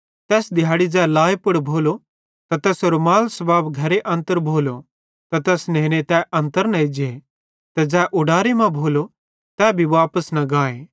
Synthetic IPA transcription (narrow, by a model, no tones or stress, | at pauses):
t̪ɛːsd̪ɪjaːɽid͡ʒɛːlaːepʊɽbʱoːlo | t̪at̪ɛːsoːɾomaːlsɐbaːbɡʱɐɾeʔɐ̃nt̪əɾbʱoːlo | t̪at̪ɛːsnẽːñet̪ɛʔɐ̃nt̪əɾnɐed͡ʒe | t̪ɛd͡ʒɛːʔʊɽaːɾemɐ̃bʱoːlo | t̪ɛːbʱiʋaːpəsnɐɡaːẽː